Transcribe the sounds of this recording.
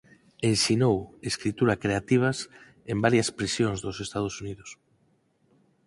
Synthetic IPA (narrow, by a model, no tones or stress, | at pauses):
ẽnsinoweskɾit̪uɾakɾeat̪iβ̞ɐs | embaɾjɐspɾesjõŋzðosest̪að̞osuniðʊs